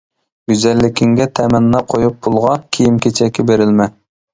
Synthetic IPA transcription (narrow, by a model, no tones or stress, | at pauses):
ɡʲyzɛlːɪkʲʰiŋɡʲɛt̪ʰɛmɛnːɑqʰojup̚bulˠʁɑnkʲʰijimkʲʰet͡ʃʰɛkʲːɛbeɾɪlmɛ